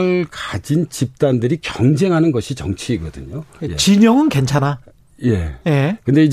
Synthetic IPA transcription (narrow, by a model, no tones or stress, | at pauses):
ɭkad͡ʑint͡ɕip̚t͈andɯɾikjʌŋd͡ʑe̞ŋɦanɯnɡʌɕʰit͡ɕʌŋt͡ɕʰiːɡʌdɯ̰ɲojet͡ɕiɲʌŋɯnke̞nt͡ɕʰana | je̞̰jekɯnde̞id͡ʑ